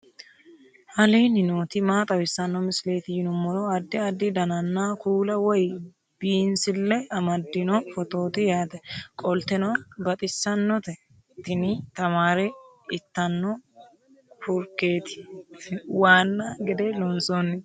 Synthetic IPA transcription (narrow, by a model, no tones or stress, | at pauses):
hɐleːnɪnoːt̪ɪmaːt̪ʼɐwɪsːɐnːɔmɪsle̞ːt̪ɪjɪnʊmɔlɔɐd̪ːɪɐd̪ːɪd̪ɐnɐnːaːkuːlɐwɔj | b̥iːnsɪlːɛɐmɐd̪ːɪnɔfɔt̪o̞ːt̪ɪjaːt̪ɛkʼɔlt̪ɛnɔbɐt̪ʼɪsːɐnːɔt̪ɛ | t̪ɪnɪt̪ɐmaːɾɛ | ɪt̪ːɐnːɔ | fʊɾkːe̞ːt̪ɪ̥ | waːnːaɡɛd̪ɛlɔnsonːɪ